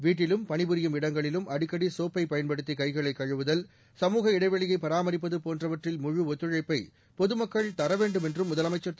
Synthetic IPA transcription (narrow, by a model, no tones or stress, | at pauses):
ʋiːʈ̬ːɪlɯmpɐɳɪbɯɾɪjɯmɪɽɐŋɡɐɭɪlɯmɐɽɪkːɐɽisoːpːɐɪpɐjɐnpɐɽɯt̪̬ːikɐɪɣɐɭɐɪkːɐɻɯʋɯðɐl | sɐmuːɣɐɪɽɐɪʋɐɭɪjɐɪpːɐɾaːmɐɾɪp̬ːɐðɯpoːndrɐʋɐʈrɪlmʊɻɯɔt̪ːɯɻɐɪpːɐɪ | pɔðɯmɐkːɐɭt̪ɐɾɐʋeːɳɖɯmɛndrɯmːʊðɐlɐmɐɪt͡ʃːɐɾt̪ː